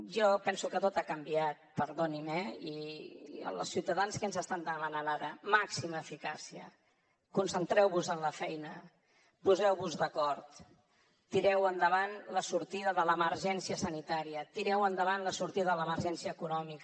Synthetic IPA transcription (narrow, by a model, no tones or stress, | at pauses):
ʒɔpɛnsukət̪ot̪akəmbiat̪̚pəɾðonimɛi | ə̰lsiwt̪əðanskənzəst̪and̪əmananaɾəmaksiməːfikasiə̰ | kunsənt̪ɾɛwβuzənləfɛjnə | puzɛwβuzðəkɔɾt̪ | t̪iɾɛwənd̪əβanləsuɾt̪iðəðələməɾʒɛnsiəsənit̪aɾiət̪iɾɛwənd̪əβ̞anləsuɾt̪iðəðələməɾʒɛnsiəːkunɔmik